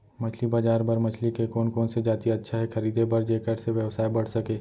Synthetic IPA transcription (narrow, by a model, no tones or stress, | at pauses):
mɐt͡ʃʰlibaːd͡ʒaːɾbɐɾmɐt͡ʃʰlikekoːnkoːnsed͡ʒaːt̪iɐtːʃʰaɦɛxʰɐɾiːd̪ʱebɐɾd͡ʒeːkəɾseʋjəʋsaːebɐɽ̤sɐkeː